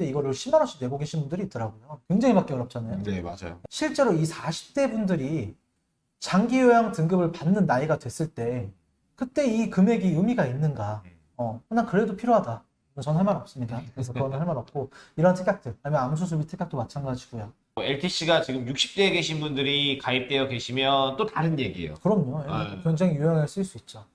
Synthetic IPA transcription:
deiɡʌɾɯɭɕʰimaɾɦas͈ʰudwe̞ɡoɡe̞ɕʰinbundɯɾiːt͈ʌɾaɡojokjeŋd͡ʑeŋibak͈eʌɾjʌp̚t͡ɕ͈anajonema̰d͡ʑa̰joɕʰiɭt͡ɕ͈e̞ɾoisʰaɕʰi̥p̚t͈e̞bundɯɾi | t͡ɕaŋɡijojaŋtɯŋɡɯbɯɭpanːɯnːaiɡadwe̞s͈ɯɭt͈e̞ | kɯt͈e̞ikɯme̞ɡijumiɡainːɯnɡa | ʌhɯnankɯɾe̞dopʰiɾjoɦada | ɯnʌnɦaɭmaɾʌp̚s͈ɯmɲidakɯɾe̞sʰʌkɯɡʌnɯnɦaɭmaɾʌp̚k͈oiɾʌɦantʰek͈ak̚t͈ɯɭaɲimʌnams̬ʰus̬ʰubitʰek͈ak̚t͈omat͡ɕʰanɡad͡ʑiɡ̥ojo | oeɭtʰiɕ͈ʰiɡat͡ɕiɡɯmjuk̚ɕ͈i̥p̚t͈e̞ːke̞ɕʰinbundɯɾikaip̚t͈e̞jʌke̞ɕʰimjʌnt͈otaɾɯnje̞ɡiḛjo̰kɯɾʌmɲojekjʌŋd͡ʑeŋijujaŋeɭs͈ɯiɭs͈uit̚t͡ɕ͈a

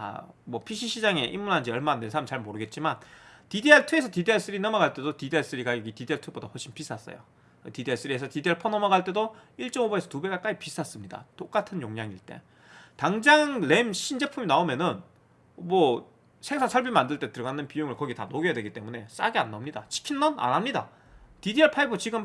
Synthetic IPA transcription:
a̰mwʌpʰiɕʰiɕʰid͡ʑaŋe̞ʔimːunɦand͡ʑejʌɭmanensʰamt͡ɕaɭmoɾɯɡe̞t̚t͡ɕ͈imantidieɭtʰɯe̞sʰʌtidiaɭs͈ɯɾinʌmʌɣaɭt͈e̞dotidieɭs͈ɯɾiɡajʌɡitidieɭtʰɯbodaɸwoɭɕ͈ʰinpis͈ʰas͈ʌ̰jo̰ | ktidieɭs͈ɯɾiesʰʌtidieɭpʰʌnʌmʌɡaɭt͈e̞doiɭt͡ɕ͈ʌŋoboesʰʌtube̞ɡak͈aipis͈ʰas͈ɯmɲida̰t͈ok͈atʰɯnjoŋɲaŋiɭt͈ḛ | taŋd͡ʑaŋɭemɕʰind͡ʑe̞pʰuminaomjʌnɯn | mwʌ | sʰe̞ŋsʰaŋsʰʌɭbimandɯɭt͈e̞tɯɾɡanɯnpijoŋɯɭkʌɡitanoɡejadwe̞ɡit͈e̞mune̞s͈a̰ɡea̰nːʌmɲida̰t͡ɕʰi̥kʰinmʌna̰nɦamɲida̰ | tidieɭpʰaibot͡ɕiɡɯm

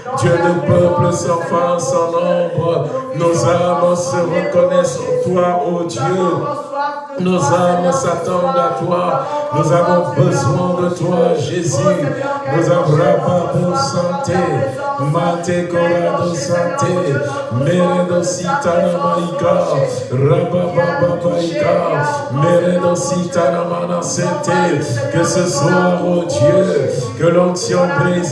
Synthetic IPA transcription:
d̪jød̪əpœpləsɑ̃fãsɑ̃nɔ̃bʁənozamsəʁəkɔnɛsɔ̃t̪waʔod̪jø | nozamsat̪ɑ̃d̪at̪wanuzavɔ̃bəzwɛ̃d̪ət̪waʒezynuzãvʁɛmãbosɑ̃t̪e | mat̪ekɔ̃ɾãd̪ɔ̃sɑ̃t̪e | mɛɾɛ̃d̪ɔ̃sit̪anɔ̃mãika | ɾãbãbãbɔ̃k̪ɔ̃ika | mɛɾɛ̃d̪ɔ̃sit̪anɔ̃mãnɑ̃sɛ̃t̪ekəsəswaʁot̪jøkəlɔ̃t̪jɔ̃bɾe

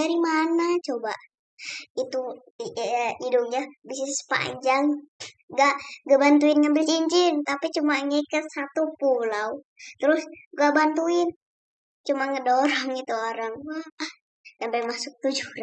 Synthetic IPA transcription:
aɾimanat͡ʃoba̰ | it̪u | idʊk̚ɲabisisə̥pa̰ɲd͡ʒaŋ | ɡaʔɡabant̪̬uɪnŋanbit͡ʃiɲt͡ʃɪnt̪apit͡ʃumaŋəkəsat̪upulau | t̪əɾʊsɡaʔbant̪uɪn | t͡ʃumaŋədoɾɔŋit̪uoɾaŋwah | sampɛmasʊk̚t̪ud͡ʒuɾa

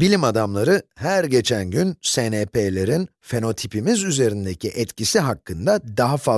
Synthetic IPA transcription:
bilʲimad̪amlˠaɾɯhæɾɟe̞t͡ʃʰænɟynsenepelʲe̞ɾin | fe̞no̞t̪ʰipimizyze̞ɾind̪ecʰiʔɛt̪cisiɦakːɯnd̪ad̪aɦafa

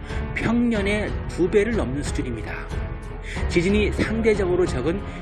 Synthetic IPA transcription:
pʰjʌŋɲʌne̞tube̞ɾɯɭnʌmnɯnsʰu̥d͡ʑuɾimɲida̰ | t͡ɕid͡ʑɯnisʰaŋde̞d͡ʑʌɡɯɾot͡ɕʌɡɯn

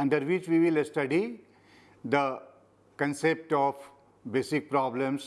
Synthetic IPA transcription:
ɐ̃ɳɖəɾʋɪt͡ʃʋiʋɪlsʈɐɖi | d̪ə | kə̃nsep̚ʈɔːf | beːsik̚pɾɔːblə̃ms

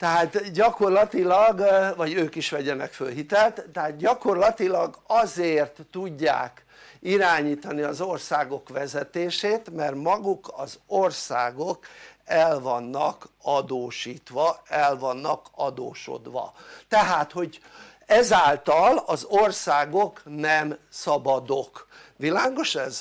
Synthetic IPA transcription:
t̪ɛɦaːt̪ɟɒko̞rlɒt̪ilɒɡvɒɟøːkiʃʋɛɟɛnɛkfølɦit̪ɛlt̪t̪ːɛɦaːt̪̚ɟɒko̞rlɒt̪ilɒɡɒzeːrt̪ːuɟːa̰ːk | iɾaːɲiːt̪ɒniɒzo̞rsaːɡo̞kʋɛzɛt̪eːʃeːt̪mɛrmɒɡukɒzorsaːɡokɛlvɒnːɒ̰kɒd̪oːʃiːt̪ʋɒɛlvɒnːɒkɒd̪oːʃo̰d̪ʋɒ̰t̪ɛɦaːt̪ho̞ɟ | ɛzaːlt̪ɒlɒzorsaːɡoknɛmsɒbɒd̪ok | ʋilaːɡo̞ʃɛz

